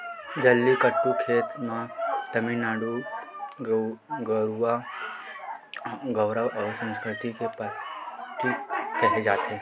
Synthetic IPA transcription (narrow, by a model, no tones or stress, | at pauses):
d͡ʒɐlːikəʈːukʰeːt̪mãt̪ɐminaːɽu | ɡəɾuʋa | ɡəwɾəʋɔʋsə̃nskʰɾɪt̪ikepət̪ːiɾɐɦed͡ʒaːt̪ʰe